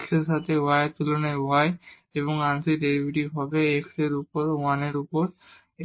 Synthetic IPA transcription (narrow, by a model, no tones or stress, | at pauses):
kseʃat̪ʰeajat̪ulɔnajaj | eβɔŋansiɾeɾibiʈiɦɔbeekʰseɾupɔɾuaneɾupɔɾ